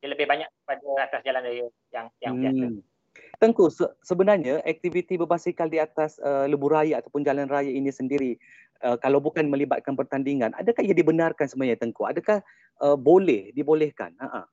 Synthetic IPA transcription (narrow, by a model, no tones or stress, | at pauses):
aləbɪhbaɲak̚əpadaat̪asd͡ʒalandaju | jaŋjaŋa | t̪əŋkusəsəbənarɲaʔɛk̚t̪ivit̪ibəbasikaldiat̪asələbuɾajaːt̪awpʊnd͡ʒalanrajainĩsəndiɾi | əkalawbukanmə̃liba̰t̪̚kanpərt̪andiŋãna̰dakahijadibənarkansəmuaɲat̪əŋkua̰dakah | ʔəbolɛhdibolɛhka̰naʔa̰